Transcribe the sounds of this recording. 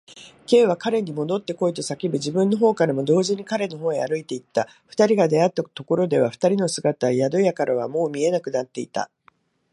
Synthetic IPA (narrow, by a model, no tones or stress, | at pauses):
ke̞ːβ̞akaɾe̞ɲ̟imo̞d̪o̞t̪ːe̞ko̞it̪osakʲibɯ̟ʑibɯ̟̃nːo̞ɦo̞ːkaɾamo̞d̪o̞ːʑiɲ̟ikaɾe̞no̞ɦo̞ːea̰ɾɯ̟it̪e̞it̪ːa | ɸɯ̟̥t̪aɾʲiɡad̪e̞at̪ːat̪o̞ko̞ɾo̞d̪e̞β̞aɸɯ̥t̪aɾʲino̞sɨɡat̪ajad̪o̞jakaɾʔaβ̞a̰mo̞ːmʲie̞nakɯ̟nat̪ːe̞it̪a̰